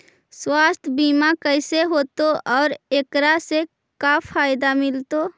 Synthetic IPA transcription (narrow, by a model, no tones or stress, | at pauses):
swaːst̪ʰbiːmakəɪseɦoːt̪oʔɔːɾekɾase | kapʰaːɪd̪amɪlt̪o